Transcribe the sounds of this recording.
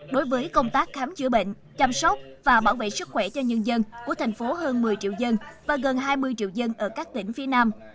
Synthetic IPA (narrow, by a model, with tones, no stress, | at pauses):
ɗo˨˦jvəː˨˦jkə˧wŋ͡mt̪aː˦˥k̚xaː˨˦mt͡ɕɨ˧˩əɓḛ˧˨ŋ̟ | t͡ɕa˧msə˦˥k͡p̚vaː˨˩ɓaː˧˩wvḛ˧˨jsɨ˦˥k̚xwɛ˧˩t͡ɕɔ˧ɲə˧nzə˧nku˧˩ət̪ʰŋ̟fo˨˦ɦəː˧nmɨ˨˩əjt͡ɕḭ˧˨wzə˧nvaː˨˩ɣə˨˩nɦaː˧jmɨ˧əjt͡ɕḭ˧˨wzə˧nʔəː˧˩kaː˦˥k̚t̪ï˧˩ŋ̟fi˨˦ənaː˧m